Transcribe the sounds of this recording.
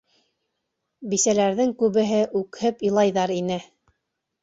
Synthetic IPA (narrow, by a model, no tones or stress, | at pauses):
bisælæɾðɘŋkʉβɘ̆ɦɘʔʉkhɘp̆lˠɑjðɑɾinɘ